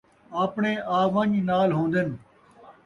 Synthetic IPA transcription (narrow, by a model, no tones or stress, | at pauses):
apɳeːʔaːʋɐ̃ɲnaːlɦõːnd̪en